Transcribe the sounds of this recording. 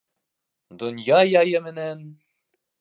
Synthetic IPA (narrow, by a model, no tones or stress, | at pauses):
d̪onjɑjɑjɤmɘ̆næn